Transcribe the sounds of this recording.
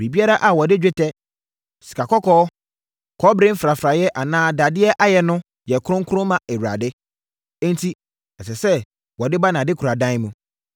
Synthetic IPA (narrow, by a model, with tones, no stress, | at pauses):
bi˨bi˦a˦ɾa˦ʔa˨wɔ˨dɪ˦d͡ʑᶣɪ˦tʰɛ˦ | si̥˨kʰa˨kɔ˦kʰɔː˦ | kʰɔ˦bɾɪ̃˦m̩˦fɾa˨fɾa˨jɛ˦ʔa˨nãː˦da˨dɪ˦ɛ˦ʔa˦jɛ˨nʊ̃˦ | jɛ˨kʰʊ˦ɾʊ̃˦ŋ˦kʰʊ˦ɾʊ̃˦mã˨ɛ˨ɥu˨ɾa̰˨dɪ˦ | ɛ̃˦ntʰi˦ | ɛ˨sɛ˨sɛ˦ | wɔ˨dɪ˦ba˦nã˨dɪ˦kʰu˨ɾa˨dã˦n˦mũ˨